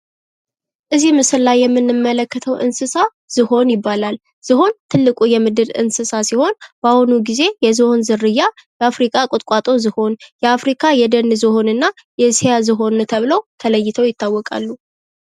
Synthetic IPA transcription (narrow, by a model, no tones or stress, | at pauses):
ʔɨzimɨsɨllajːɛmːɨnːɨmːələkːət̪ʰəwʔɨ̰nsɨsa | z̥ɨho̞njɪbːalal | z̥ɨɦo̞nt̪ʰɨlːɨkʼujɛmɨd̪ɨd̪ɨ̰nsɨsasiho̞nb̥ahunuɡize̞jɛzɨho̞nzɨrːɨjːajɛafɾikʼakʼʊt̪ʼkʼat̪ʼo̞zɨho̞njɛafɾikʰajɛd̪ənːɨzɨho̞nɨnːa | jɛsjazɨɦo̞nt̪ʰəβɨləwt̪ʰələjːɪt̪ʰəwjɪt̪ʰːawːɔkʼa̰lːu